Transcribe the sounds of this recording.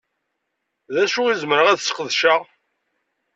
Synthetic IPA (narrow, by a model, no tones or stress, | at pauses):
ðæʃʊizməɾəʁæðsə̥qəðʃaʁ